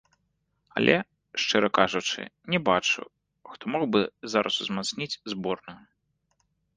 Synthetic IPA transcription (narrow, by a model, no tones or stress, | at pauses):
ɐ̰lʲʔɛ | ʂt͡ʂɛɾɐkaʐut͡ʂɨ̰nʲɛbat͡ʂṵ | xt̪ɔmɔwbɨzaɾʔɐsuzmat̪snʲit͡sʲzbɔrnuj